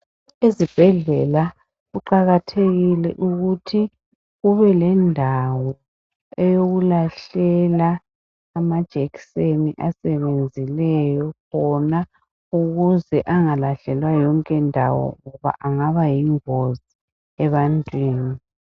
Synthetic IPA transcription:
ezib̥ʱɛɮɛla | ɣuǃaɣatʰeɣilɛʔuɣutʰi | ɣuβɛlɛndʱawɔ | ɛjoɣulaɬɛlaː | mad̥ʒ̥ʱekseniʔasɛβend͡zʱilɛjɔkʰɔna | uɣuzɛʔaŋalaɬɛlwajɔŋkʼɛndʱa̰wɔ̰ŋɔβa̰ʔaŋaβajiŋozi | ɛβantʼwiːni

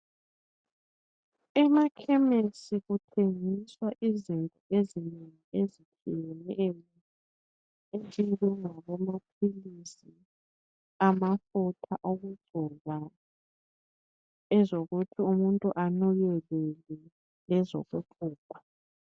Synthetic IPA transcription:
ɛmakʰɛmesiɣutʰeŋiswaʔizintʼɔezineŋiezitʰijɛnɛli | ezindʱʼuŋaβɔmapʰilisi | amafutʰaʔoɣuɡ͡ǀʱɔβa | ɛzoɣutʰiumuntʼuʔanɔjɛlɛlɛ | lɛzo̰ɣupʰuːkḁ

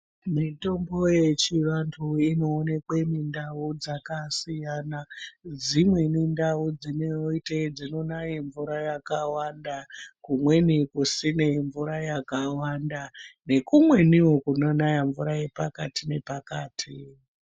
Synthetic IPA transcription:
mito̞mbo̞je̞t͡ʃiʋantʰuino̞ːne̞kwe̞mindaud͡zakasijanad͡zimwe̞nindaud͡zineoited͡zino̞najiɱvuɾajakawandakumwe̞nikusine̞ɱvuɾajakawandane̞kumwe̞niwo̞kunonajaɱvuɾaje̞pakatine̞pakaːtʰi

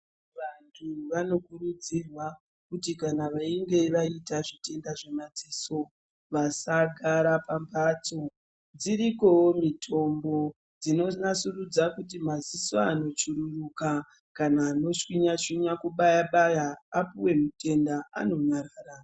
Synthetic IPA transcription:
ʋantʰuʋano̞kurud͡zirwa | kutikanaʋaiŋɡe̞ʋaitaʐite̞ndaʐe̞mad͡ziso̞ | ʋasaɡʱaɾapambat͡so̞ | d͡ziɾiko̞womitʰo̞mbo̞ | d͡zino̞nasurud͡zakut̬imazisoano̞t͡ʃuɾuruka | kanaːno̞ʂwiɲat͡ʃwiɲakuɓajaɓajaːpuwe̞mute̞ndaʔa̰no̞ɲaɾaːra

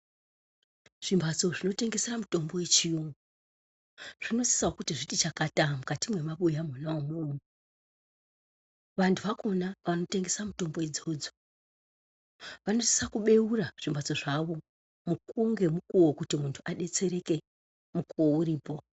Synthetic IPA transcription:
ʐ̥imbʱat͡so̞ʐino̞te̞ŋɡe̞seramuto̞mbo̞we̞t͡ʃijoŋɡu | ʐ̥ino̞si̥saokutiʐitit͡ʃakatamukatimwe̞maɓujamunaomurumo | ʋantʰuʋako̞naʋano̞te̞ŋɡe̞samuto̞mbo̞id͡zo̞ːd͡zo̥ | ʋano̞si̥sakuɓe̞uraʐ̥imbʱat͡so̞ʐaʋo̞ | mukuŋɡe̞mukuwokutimuntʰuʔaɗe̞t͡se̞ɾe̞ke̞ | mukuouɾiːpo̞

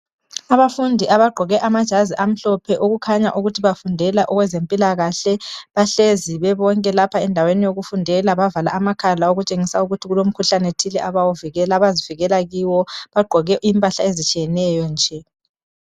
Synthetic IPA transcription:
aβafundʱiʔaβaɡ͡ǃʱɔɣɛʔamad̥ʒ̥ʱaziʔam̩ɬɔpʰɛʔoɣukʰaɲaʔuɣutʰiβafundʱɛlaʔɔɣwɛzempʼilaɣaɬɛβaɬeziβɛβɔŋkʼɛlapʰaɛndʱawenijoɣufundʱɛlaβavala̰amakʰalaoɣut͡ʃʼeŋisauɣutʰiɣulom̩kʰuɬanetʰilɛʔaβawuviɣɛlaβaziviɣɛlaɣiwɔβaɡ͡ǃʱɔɣɛimpʼaɬaezit͡ʃʼijɛnɛjɔnd͡ʒʱɛ

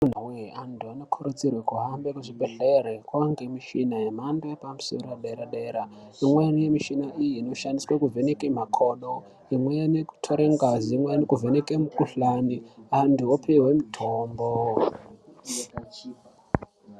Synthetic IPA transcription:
mun̤uweantʰuano̞kʰoɾud͡zirwekuɦambekuʐibʱeɮerekwaŋɡemiʃinajem̤andoepamuso̞̰ɾowaɗeɾaɗeɾa | imwenijemiʃinaijiːno̞ʃandiswakuvʱenekem̤akʰo̞ːno | imwejaneku̥tʰoɾeŋɡaziːmwejnekuvʱenekemukuɬaniantuopʰewe̞mitʰoːmbo

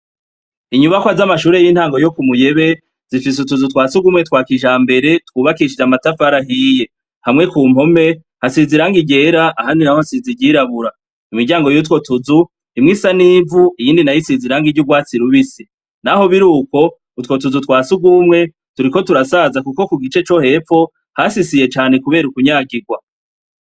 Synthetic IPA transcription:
iɲuβakwazamaʃuːɾe̞jiːn̥haːŋɡo̞jo̞kumuje̞βe̞ | zifisutuzutwaːsuɡumŋe̞twaːkiʒaːmbe̞ɾe̞twuːβakiʃid͡ʒamatafaɾaɦiːje̞ | hamŋe̞kuːm̥ho̞me̞ | hasiziɾaŋɡiɟe̞ːɾaʔahaːndinahohasiziɟiɾaβuɾa | imiɟaːŋɡo̞jut̬wo̞tuzu | nimŋiːsaniːvuijiːndinajisiziɾaŋɡiɟuɡwaːt͡siɾuβisi | naɦo̞βiɾuːko̞ | utwo̞t̬uzutwaːsuɡumŋe̞ | tuɾiko̞tuɾasazakuko̞kuɡit͡ʃe̞t͡ʃo̞he̞fo̞ | hasisije̞t͡ʃaːne̞kuβe̞ːɾukuɲaːɡiɡwa

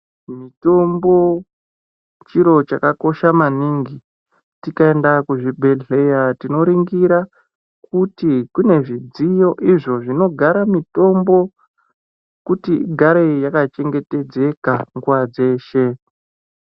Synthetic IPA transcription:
mito̞mbo̞ | t͡ʃiɾo̞t͡ʃakako̞ʃamaniŋɡi | tikae̞ndakuʐibʱe̞ɮe̞jatino̞ɾiŋɡiɾa | kutikune̞ʐid͡zijo̞ʔiʐo̞ʐino̞ɡʱaɾamito̞mbo̞ | kutiɡʱaɾe̞jakat͡ʃeŋɡe̞te̞d͡ze̞kaŋɡuʋad͡ze̞ːʃe̞

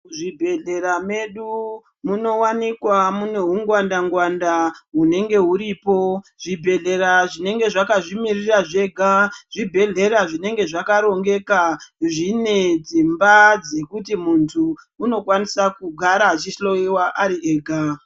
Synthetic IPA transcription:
ʐibʱe̞ɮe̞ɾame̞ɗu | muno̞wanikwamune̞ɦuŋɡwandaŋɡwandaɦune̞ŋɡe̞ɦuɾipo̞ʐ̥ibʱe̞ɮe̞ɾaʐine̞ŋɡe̞ʐakaʐimiriraʐe̞ɡʱaʐ̥ibʱe̞ɮe̞ɾaʐine̞ŋɡe̞ʐakaɾo̞ŋɡe̞kaʐine̞d͡zimbad͡ze̞kutimuntʰuː | no̞kwanisakuɡʱaɾat͡ʃiʃɬo̞jiwaʔaɾieːɡʱa

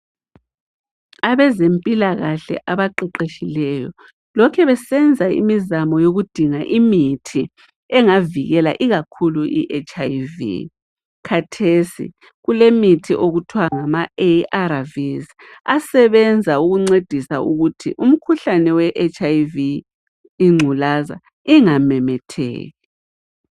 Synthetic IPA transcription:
aβɛzempʼilaɣaɬɛ̰ʔaβaǃɛǃeʃilɛjɔ̰ | lɔkʰɛβɛsɛnd͡zʱaḭmizamɔjoɣud̥ʱiŋaʔimitʰi | ɛŋaviɣɛla̰ʔiɣakʰuluʔḭʔet͡ʃʰʼajvḭ | kʰatʰesḭ | ɣulemitʰḭʔoɣutʰwaŋamaeʔaɾaviz | asɛβɛnd͡zʱauɣuŋ͡ǀed̥ʱisauɣutʰḭʔum̩kʰuɬanɛwɛʔet͡ʃʰʼajviː | ŋ͡ǀʱulaza̰ | iŋamɛmɛtʰɛ̰ːɣɛ

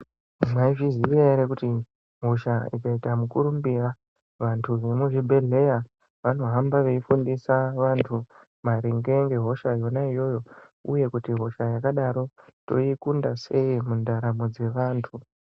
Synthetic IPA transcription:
mwaiʐiziʋeɾekuti | ɦo̞ʃaikaitamukuɾumbira | ʋantʰuʋemuʐibʱe̞ɮe̞ja | ʋano̞ɦambaʋe̞ifundisaʋantʰu | maɾiŋɡe̞ŋɡe̞ɦo̞ʃajo̞naijo̞jo̞ | ṵje̞kutiɦo̞ʃajakaɗaɾo̞to̞̰ikundase̞imundaɾamod͡ze̞ʋaːntʰu

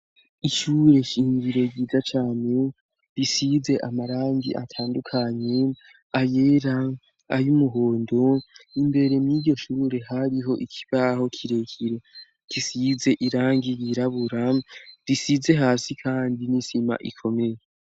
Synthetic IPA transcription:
iʃuːɾe̞iɲɡiɾo̞iːzat͡ʃaːne̞ | ɾisize̞ʔamaɾaːŋɡḭʔa̰tʰaːndukʰaɲe̞ | ajeɾa | a̰jumuɦo̞ːndo̞imbe̞ɾe̞mjiːɟɟo̞ʃuːɾe̞ɦaɾiɦo̞ʔikʰi̥βaho̞kʰiɾe̞kʰiɾe̞ | kisize̞ʔiɾaːŋɡiɾiɾaβuɾaɾisize̞ɦaːsikʰaːndinisima̰ʔḭkʰo̞me̞je

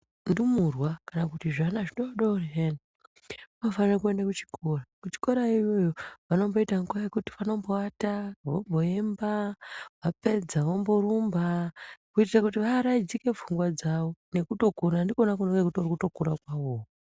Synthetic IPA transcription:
ndumurwakanakutiʐanaʐinoaɗaureɦeni | mofanirakue̞ndakut͡ʃi̥kʰo̞rakut͡ʃi̥ko̞ɾaijo̞joʋano̞mbo̞itaŋɡuaekuti̥ʋano̞mboataʋombo̞embaʋape̞d͡zaʋomboɾumbakuitirakutiʋaɾaid͡zike̞vuŋɡwad͡zaʋo̞ne̞kuto̞kuɾandikonakunoŋkekutorikuto̞kuɾakwaoːo

